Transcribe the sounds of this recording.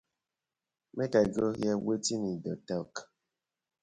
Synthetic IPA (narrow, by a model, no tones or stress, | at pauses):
mekaɡojɛwetinidɔtak